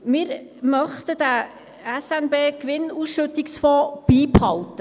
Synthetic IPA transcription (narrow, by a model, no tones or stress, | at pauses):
mɪːɾ | mœχt̪ədæ | ɛsɛnbeːkʋɪnuːsʃɵt̪ɪksfɔːb̥iːphɑwtə